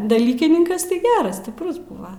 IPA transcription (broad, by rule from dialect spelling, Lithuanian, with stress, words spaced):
dɐˈlʲiːkʲɪnʲɪŋkɐs tɐɪ ˈɡʲæːrɐs sʲtʲɪˈprʊs ˈbʊʋɐ